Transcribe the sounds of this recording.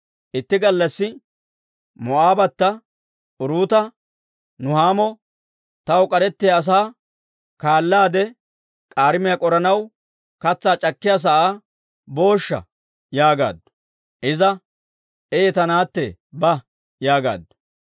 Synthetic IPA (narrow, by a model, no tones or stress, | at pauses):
ʔɪt̪ːɪɡɐlːɐsːɪ | mɔaːbɐt̪ːɐ | ʊɾuːt̪ɐ | nʊhaːmɔ | t̪ɐwkʼɐɾɛt̪ːɪɐːs̬aː | kaːlːaːd̪ɛ | kʼaːɾɪmɪjɐkʼɔɾɐnɐw | kɐt͡sːaːt͡ʃʼɐkːɪjaːs̬ɐʔa | bo̞ːʃːɐ̰ | jaːɡa̰ːd̪ | ʔɪzɐ | ɛjɛt̪ɐnaːt̪ːɛbɐ | jaːɡa̰ːd̪